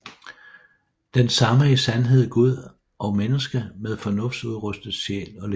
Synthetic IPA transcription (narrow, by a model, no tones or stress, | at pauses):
d̥ensɑ̈məisænɦe̝ð̞̰ˠɡ̥uð̞̰ˠ | ʔɒ̽menəsɡ̥əmeð̞ˠfɒ̽nɔ̽fd̥suðˠʁœsd̥əð̩ˠɕḛːlɒ̽le